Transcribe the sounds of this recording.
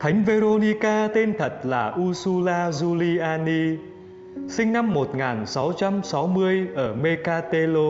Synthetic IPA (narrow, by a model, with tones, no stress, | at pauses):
t̪ʰa˨˦jŋ̟ve˧ɾo˧ni˧kaː˧t̪e˧nt̪ʰə˨˩t̚laː˨˩ʔu˧su˧laː˧zu˧li˧ʔaː˧ni˧ | sï˧ŋ̟na˧mːo˨˩t̚ŋaː˨˩nsa˨˦wt͡ɕa˧msa˨˦wmɨ˧əjʔəː˧˩me˧kaː˧t̪e˧lo˧